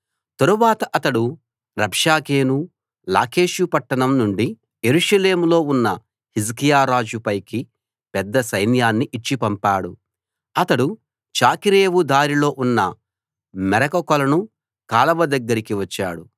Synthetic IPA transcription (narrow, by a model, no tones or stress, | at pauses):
t̪ɐɾuʋaːt̪ɐʔɐt̪ɐɽu | ɾɐbʂaːke̞ːnu | la̰ːke̞ːʃjupɐʈːɐɳɐmnuɳɖi | jeɾuʂɐle̞ːmulo̞ːunːɐ | hiskijaːɾaːd͡ʒupɐjki | pɛd̪ːɐsɐjnjaːnːiʔit͡ʃːipɐmpaːɽu | ɐt̪ɐɽu | t͡ʃaːkiɾe̞ːʋud̪aːɾilo̞ːʔunːɐ | mɛɾɐkɐkɔlɐnu | kaːlɐʋɐd̪ɐɡːɐɾikiʋɐt͡ʃːa̰ːɽu